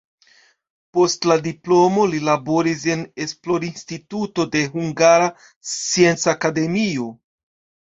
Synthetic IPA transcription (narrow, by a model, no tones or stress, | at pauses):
po̞stladiplo̞mo̞lilabo̞ɾis̬e̞ne̞splo̞ɾinstituto̞de̞ɦuŋɡaɾa | t͡sie̞nt͡sakade̞mio̞